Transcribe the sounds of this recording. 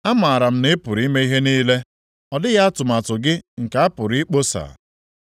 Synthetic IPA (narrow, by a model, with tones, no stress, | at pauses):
a˦ma˨a˨ɾa˨m̩˦nɪ˦pʊ˨ɾi˨˦me˦i˦ɦe˦niː˦le˦ | ɔ˨dɪ˦ɣa˦a˦tʊ˨ma˨tʊ˨ɡɪ˦ŋ̩˨ka˨a˦pʊ˨ɾi˦k͡po˦sa̰˨